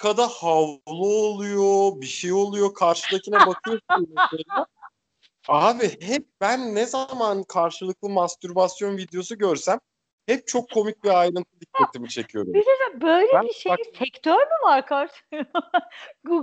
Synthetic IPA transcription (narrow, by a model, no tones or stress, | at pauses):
kʰad̪ahavlˠuːlˠujobiʃejo̞lˠujo̞kʰaɾʃɯacʰinɛbakʰɯjosineeɛ | aːbihɛp̚bænːɛzamankʰaɾʃɯlˠɯk̚lˠɯmast̪yɾbasjo̞nvid̪jo̞suɟø̞ɾsæm | hɛp̚t͡ʃʰo̞kʰːo̞mic̚biajɾɯnt̪ʰɯd̪ikʰːat̪ʰimit͡ʃʰe̞cʰijo̞ɾuized̪bøjlʲeiʃeaisɛkt̪ʰøɾmivaɾkʰaɾʃ | ɡu